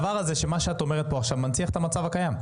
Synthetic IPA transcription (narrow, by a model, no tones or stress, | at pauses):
vaʁazeʃemaʃeat̪o̞meʁ̞et̪̚poaχʃavmant͡siaχet̪amat͡savakajam